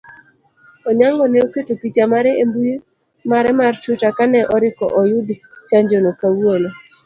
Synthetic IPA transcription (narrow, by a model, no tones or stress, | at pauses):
ɔɲaŋɡɔneoketopit͡ʃamaɾɛembuj | maɾɛmart͡ʃutakanɛʔɔɾɪkɔ̰ʔɔjʊdt͡ʃaɲd͡ʒonokawuono